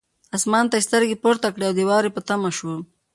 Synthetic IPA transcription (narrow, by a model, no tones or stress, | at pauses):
asmɑːnt̪ast̪əɾɡepoɾt̪akɽeawd̪ewɑːɾepət̪amaʃwə